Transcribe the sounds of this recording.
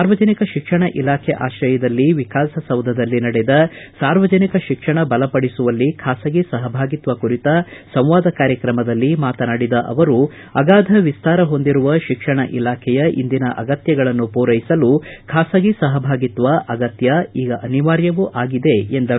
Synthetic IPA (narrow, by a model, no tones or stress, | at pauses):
saːɾʋɐd͡ʒɐnikɐʃikʂɐɳɐʔilaːkʰɛʔaːʃɾɐjɐd̪ɐlːiʋikaːsɐsɐwd̪ʱɐd̪ɐlːinɐɽɛd̪ɐsaːɾʋɐd͡ʒɐnikɐʃikʂɐɳɐbɐlɐpɐɽisuʋɐlːikʰaːsɐɡisɐɦɐbʱaːɡit̪ʋɐkuɾit̪ɐsɐ̃w̃ʋaːd̪ʱɐkaːɾjɐkɾɐmɐd̪ɐlːimaːt̪ɐnaːɽid̪ɐʔɐ̰ʋɐɾu | ɐɡaːd̪ʱɐʋist̪aːɾɐɦo̞nd̪iɾuʋɐʃikʂɐɳɐʔilaːkʰɛjɐʔḭnd̪inɐʔɐ̰ɡɐt̪jɐɡɐɭɐnːupuːɾɐjisɐlukʰaːsɐɡisɐɦɐbʱaːɡit̪ʋɐʔɐɡɐt̪jɐiːɡɐʔɐniʋaːɾjɐʋuʔaːɡid̪e̞end̪ɐ